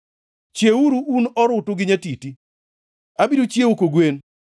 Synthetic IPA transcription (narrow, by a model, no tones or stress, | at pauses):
t͡ʃjeuɾuunɔɾʊtʊɡɪɲatiti | abidot͡ʃjeokoɡwen